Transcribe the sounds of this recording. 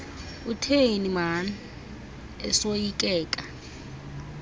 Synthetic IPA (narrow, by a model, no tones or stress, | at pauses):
utʰeiniman | ɛ̰sojikʼɛːkʼa